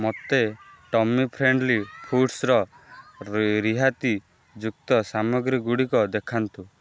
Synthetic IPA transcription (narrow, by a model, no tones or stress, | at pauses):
mot̪eʈɔmipʰɾeɳɖlipʰuʈsɾɔ | ɾiɦat̪i | d͡ʒuk̚t̪ɔsamɔɡɾiɡuɽikɔd̪ekʰant̪u